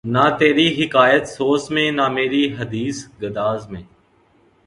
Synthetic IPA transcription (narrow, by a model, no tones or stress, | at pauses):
naːt̪eːɾiːɦɪkaːjət̪soːsmẽːnaːmeːɾiːɦəd̪iːsɡəd̪aːzmẽː